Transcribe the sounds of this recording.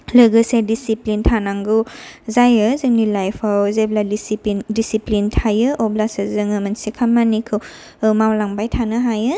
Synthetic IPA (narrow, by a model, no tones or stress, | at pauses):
lɯɡɯsedisiplintʰanaŋɡuzajɯzɯŋnilajpʰawzeblaispndisiplintʰajɯʔɔblasɯzɯŋɯmɐnsikʰamːanikʰɯw | ɯmawlaŋbajtʰanɯɦajɯ